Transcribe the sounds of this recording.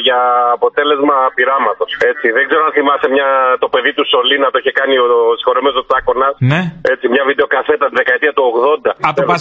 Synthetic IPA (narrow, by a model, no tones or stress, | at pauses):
ʝɐːpo̞t̪e̞le̞zmɐpiɾɐmɐt̪o̞se̞t͡siðe̞ɡzeɾoɐnθimɐst̪emɲɐt̪o̞pe̞ðit̪uso̞linɐt̪oiçe̞kɐniosi̥xo̞ɾemesot̪sɐko̞nɐsne̞t͡simɲɐvid̪e̞o̞kɐθe̞t̪ɐst̪iðe̞kɐet̪iɐt̪uo̞ɣðo̞nd̪ɐɐe